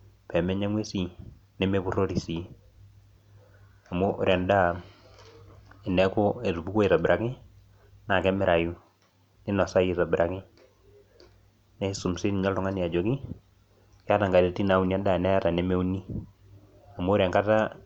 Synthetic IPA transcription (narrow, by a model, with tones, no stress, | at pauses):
pɛ˨mɛ˦ɲɛ˦ŋwe˦si˨ | nɛ˦me˦bu˦ro˦ɾi˨si˨˦ | a˨mo˦ʔɾja˨nda˦˨ | ɪ˨nɛ˦kɔ˦e˨ɾu˨bu˦ko˦e˨ta˨bɪ˨ɾʔa˨kɪ˦ | na˨kɛ˦mɛ˦ɾa˨ju˦ | ni˦nɔ˨sa˦je˨ta˨bɪ˨ɾa˨kɪ˦ | nɛ˦su˨msi˦n˨ɲa˦ltʊ˦ŋa˦ni˨a˨d͡ʒo˨ki˦ | ka˦ta˨ŋɡa˨ɾe˨ti˦na˨˦u˨nja˦da˦˨nɛ˦ja˦ta˨nɛ˦me˦u˦ni˦ | a˨mo˦ɾja˨ŋka˦ta˦